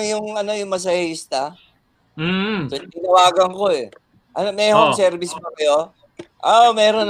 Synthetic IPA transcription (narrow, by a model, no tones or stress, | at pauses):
jʊŋɐno̞jʊŋmɐs̬ɐjist̪a | sot̪ɪŋnɐwaːɡɐŋko̞ɛ | ʔɐnomɛhoŋsɛɾbɪsmokɐjo̞ | ʔoʔmɛːɾon